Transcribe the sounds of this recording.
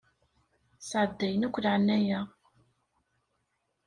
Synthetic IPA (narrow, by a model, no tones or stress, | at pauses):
sʕəd̪ːæjənækʷːlʕənːæjæ